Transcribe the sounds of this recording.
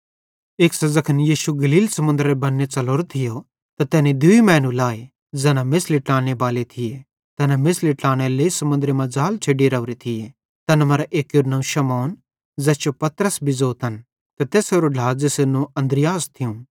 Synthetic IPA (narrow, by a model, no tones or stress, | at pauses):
eːksɐzɐkʰənjiːʃuɡɐliːlsɐmʊ̃nd̪ɾebɐnːet͡ʃɐloːɾot̪ʰɪjo | t̪at̪ɛːned̪ʊimɛːnũlaːe | d͡zɛːnamɪsliʈaːɽ̃ebaːlet̪ʰɪje | t̪ɛːnamɪsliʈaːɽ̃eleːisɐmʊ̃nd̪ɾemɐ̃d͡zaːlt͡ʃʰeɖiɾɐʊɾet̪ʰɪje | t̪ɐnɐmɐɾaʔeːkjʊɾnɐ̃ũʃɐmɔːn | zɛːt͡ʃopɐt̪ɾəsbʱizoːt̪ɐn | t̪ɐt̪ɛːsoɾoɖʱaːzɪsenũɐ̃nd̪ɾɪjaːst̪ʰɪjũː